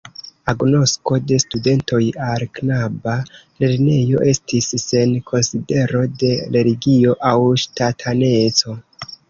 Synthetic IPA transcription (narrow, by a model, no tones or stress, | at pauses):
aɡno̞sko̞de̞stude̞nto̞jalknaba | le̞ɾne̞jo̞̰ʔe̞stisːe̞nkʰo̞nside̞ɾo̞de̞le̞liɡio̞ʔawʃtatʰane̞t͡so̞